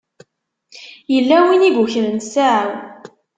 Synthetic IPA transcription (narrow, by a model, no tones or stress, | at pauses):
jəlːæwiniɡʷuçɾənsaʕaw